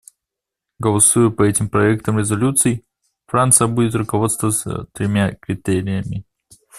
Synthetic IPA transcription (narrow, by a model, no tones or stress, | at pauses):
ɡəlˠɐsujʊpɐɛtʲɪmpɾɐɛk̚t̪əmɾʲɪzɐlʲut̪sɨɪ | fɾant̪sɨjəbudʲɪt̪rʊkɐvo̞t̪st̪vəsə̰t̪ɾʲɪmʲakɾʲɪt̪eɾʲɪjəmʲɪ